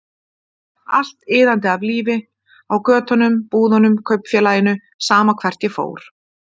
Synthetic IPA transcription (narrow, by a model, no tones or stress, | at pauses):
a̰l̥t̪ɪːðant̪ɪavliːvɪ | awkœːt̪ɔnʏmpuːðɔnʏmkʰœɥpn̥fjɛːlaːjɪnʏ | saːmakʰv̥ɛr̥t̪jɛfo̰ːwɾ̥